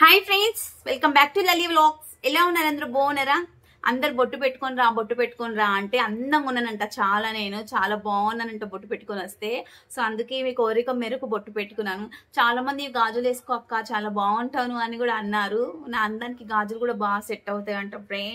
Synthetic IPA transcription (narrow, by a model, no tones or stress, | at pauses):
hajpʰɾeɳɖsʋelkɐmbaːk̚ʈulɐliːʋloːk | ilaːunːaːɾɐnd̪ɐɾuboːunɐɾaː | ɐ̰nd̪ɐɾuboʈːupeʈːu̥koniɾaːboʈːupeʈːu̥konɾaːɐɳʈe̞ːɐnːɐmunːɐnɐɳʈaːt͡ʃaːlaːne̞ːnut͡ʃaːlaːbaːʋɐnɐnɐɳʈoːboʈːupeʈːu̥koːniʋɐst̪e̞ː | soːɐnd̪uke̞ːmiːkoːɾikɐmːeːɾɐkuboʈːupeʈːukunːaːnut͡ʃaːlaːmɐnd̪imiɡaːd͡ʒule̞ːsu̥koːkːaːt͡ʃaːlaːbaːɐɳʈaːnuɐnikuːɽaːɐnːaːɾunaːɐnd̪aːnikiɡaːd͡ʒulkuːɽaːbaːɡseʈːɐwut̪aːjɐɳʈɐpːuɽe